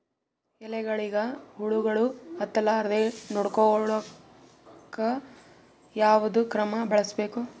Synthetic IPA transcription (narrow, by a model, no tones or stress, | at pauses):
ɛlɛɡɐɭiɡɐɦuɭuɡɐɭuɐt̪ːɐlaɾd̪enoɽkɔɭɐ | kːɐ | jaːʋɐd̪ukɾɐmɐbɐɭɐsbe̞ːku